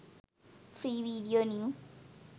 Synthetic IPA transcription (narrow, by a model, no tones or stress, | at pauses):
fɾiːʋiːɖijoːnĩũ